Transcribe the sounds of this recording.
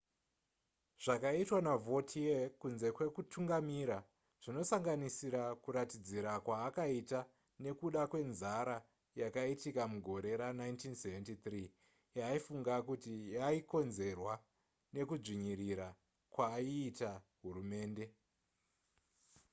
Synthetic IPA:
ʐ̥akaitwanavo̞tʰiekunze̞kwe̞kutʰuŋɡamiɾa | ʐ̥ino̞saŋɡanisiɾakuɾatid͡ziɾakwaːkaita | ne̞kuɗakwe̞nzaɾa | jakaitikamuɡʱo̞ɾe̞ɾanaintinseventitriː | jaifuŋɡakutijaiko̞nze̞rwa | ne̞kuʐiɲiɾiɾa | kwaːiːtaɦuɾume̞ːnde̞

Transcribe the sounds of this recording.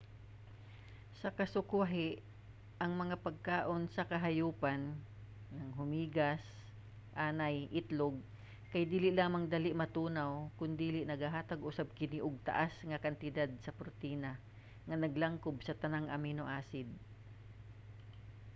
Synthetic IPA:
sɐkɐsʊkwaɦɪʔ | ʔɐŋmɐŋapɐɡ̚kaːʔonsɐkɐɦɐjuːpanː | ɐŋɦʊmiːɡas | ʔaːnajʔɪt̪loɡ̚ | kɐjd̪iːlɪʔlaːmɐŋd̪alɪʔmɐt̪uːnawkʊnd̪iːlɪʔnɐɡhaɦaːt̪aɡʔʊsab̚kɪniʔʊɡ̚t̪ɐ̰ʔasŋɐkɐnt̪ɪd̪ad̪̚sɐpɾot̪iːna | ŋɐnɐɡlaŋkobsɐt̪ɐnaŋʔɐminoʔaːsɪd̪̚

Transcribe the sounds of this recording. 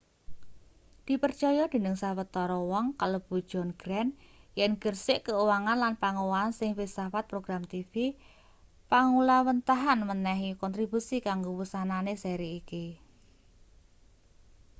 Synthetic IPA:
d̪̥i̤pərt͡ʃɔjɔd̪̥e̤nəŋsawət̪ɔɾɔwɔŋkalob̥o̤d̥ʒ̥ɔ̤nɡ̥ɾɛnjɛnɡ̥ərsɪʔkəuwaŋanlanpaŋowaːnsɪŋwisafat̪̚pɾoɡɾamt̪ifi | paŋulawənt̪aɦanmənɛɦikɔnt̪ɾibusikaŋɡowusananesɛɾiːki

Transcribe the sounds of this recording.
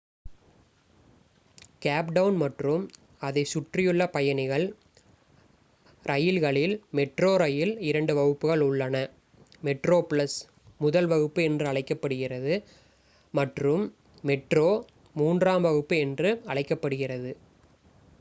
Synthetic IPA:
kaːpɖɐʋnmɐʈrɯm | ɐðɐɪsʊʈrɪjɯɭːɐpɐjɐnɪɣɐɭ | ɾʔɐjɪlɣɐɭɪlmɛʈroːɾɐjɪlɪɾɐɳɖɯʋɐɣɯpːɯɣɐɭʊɭːɐnɐ | mɛʈroːplɐs | mʊðɐlʋɐɣɯpːɯɛndrɯɐɭɐɪkːɐpːɐɽɯɣɪrɐðɯ | mɐʈrɯmː | ɛʈroː | muːndraːmʋɐɣɯpːɯɛndrɯɐɭɐɪkːɐpːɐɽɯɣɪrɐðɯ

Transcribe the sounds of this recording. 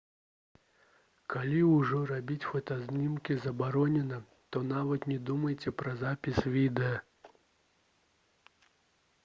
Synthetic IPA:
kalʲiwuʐɔrabʲit͡sʲfɐt̪ɐzʲnʲimkʲizɐbaɾɔnʲɛnɐ | t̪ɔn̪avɐt̪nʲɛd̪umɐjt͡sʲɛpɾɐzapʲisʲvʲid̪ɛjɐ

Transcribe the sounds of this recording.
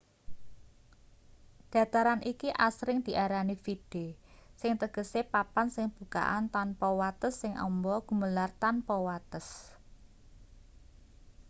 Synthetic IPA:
d̪̥ä̤t̪aɾanʔikiʔasɾɪŋd̪̥i̤ʔaɾanifiɖ̥esɪŋt̪əɡ̥ə̤sepapansɪŋb̥ṳka̰ʔant̪anpɔwat̪əsːɪŋʔɔ̰mbɔɡ̥ṳməlart̪anpɔwat̪əs

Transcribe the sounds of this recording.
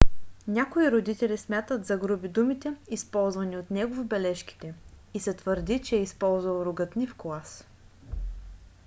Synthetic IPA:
nʲakoiɾod̪it̪ɛlʲismʲat̪ət̪zɐɡɾubid̪umit̪ɛispɔlˠzvɐniot̪nɛɡovʊbɛlɛʃki̥t̪ɛ | isɛt̪vəɾd̪it͡ʃɛːispɔlˠzvɐlˠɾʊɡət̪nifklˠas

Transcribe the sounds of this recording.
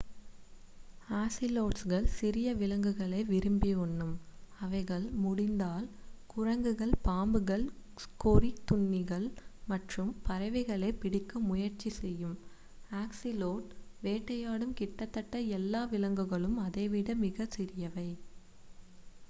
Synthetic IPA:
aːsɪloːʈsɣɐɭsɪɾɪjɐʋɪlɐŋɡɯɣɐɭɐɪʋɪɾɯmbiʊɳːɯmɐʋɐɪɣɐɭmʊɽɪnd̪aːlkʊrɐŋɡɯɣɐɭpaːmbɯɣɐɭ | kɔɾit̪ʊɳːɪɣɐɭmɐʈrɯmpɐɾɐʋɪɣɐɭɐɪpɪɽɪkːɐmʊjɐɾt͡ʃisɛjːɯm | aːksɪloːʈʋeːʈːɐjaːɽɯmkɪʈːɐt̪ːɐʈːɐɛlːaːʋɪlɐŋɡɯɣɐɭɯmɐðeːʋɪɽɐmɪɣɐsɪɾɪjɐʋɐɪ

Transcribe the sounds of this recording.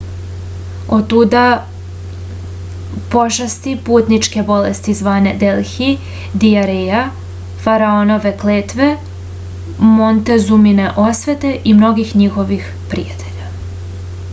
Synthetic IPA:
o̞t̪ːud̪a | po̞ʃast̪ipuːt̪nit͡ʃke̞bo̞lest̪izʋaːne̞d̪elxi | d̪iaɾeja | faɾaono̞ʋe̞kleːt̪ʋe̞ | mont̪e̞zumineʔo̞sʋe̞t̪e̞ʔimno̞ɡixɲixo̞ʋix | pɾḭjat̪e̞ʎa

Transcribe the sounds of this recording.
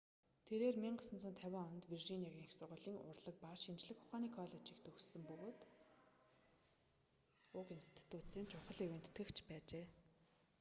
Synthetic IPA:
t̪ʰeɾeːrmiɴɢasə̆nt͡sʰʊnt̪ʰæwʲaːɔnt̪wirʒiniaɣʲiːŋxsʊrʁʊːɮiːŋʊ̰rɮə̆k̚parʃimt͡ɕɮɘ̆xʊχaːniːkʰɔɮɔt͡ɕiːkt̪ʰɵxsɵ̆mpɵɣoːt̪ | ʊkenst̪ʰt̪ːʊːt͡seːnt͡ɕʰʊχə̆ɮeweːnt̪ʰːɡɘ̆kt͡ɕʰpæːt͡ɕeː

